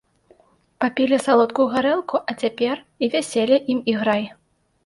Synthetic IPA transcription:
papʲilʲisalˠɔt̪̚kuːɣaɾɛlˠkuʔɐt͡sʲapʲɛr | ivʲasʲɛlʲiʔimiɣɾaj

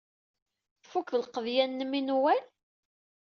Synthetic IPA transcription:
fuklqəðjænːəminwæl

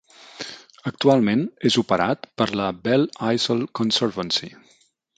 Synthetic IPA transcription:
ək̚t̪ualˠmenezupəɾat̪pəɾləbɛlˠajzəlˠkonsəɾβənsi

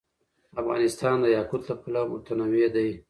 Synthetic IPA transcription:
afɣɑ̰nɪst̪ɑnd̪əjɑkut̪lapulamʊt̪anawed̪aj

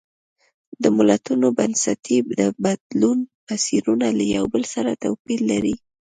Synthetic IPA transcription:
d̪əmʊlat̪unobansat̪ʰid̪əbad̪lunpasiɾunalajawbəlsaɾat̪awpilːaɾi

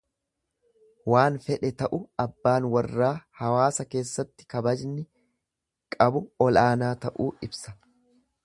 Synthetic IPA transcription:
waːnfɛᶑɛt̪ɐʔʊɐbːaːnwɐrːaːhɐwaːsɐke̞ːsːɐt̪ːɪ̥kɐbɐd͡ʒnɪ | kʼɐbʊɔlaːnaːt̪ɐʔuːɪbsɐ̥

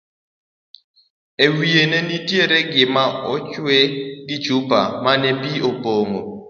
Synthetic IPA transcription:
ewienenitjeɾeɡɪmaɔt͡ʃweɡɪd͡ʒupa̰manepiopoŋo

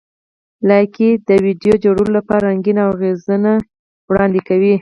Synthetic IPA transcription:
laked̪əwiɖjod͡ʒoɽulolapɑɾaŋɡinawɣezəna | wɽɑnd̪ekawi

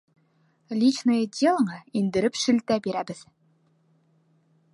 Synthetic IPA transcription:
lʲit͡ɕnɤjd̪ʲelˠɴɑind̪ɘ̆ɾɘpʃɘ̆lt̪æbiɾæbɘð

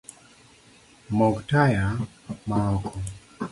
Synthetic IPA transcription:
mɔktaja | maɔkʰɔ

